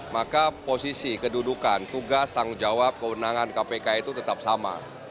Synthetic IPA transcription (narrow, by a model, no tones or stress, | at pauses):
makaposisikədudukant̪uɡast̪aŋud͡ʒawap̚kəwənaŋankapekait̪ut̪ət̪ap̚sama̰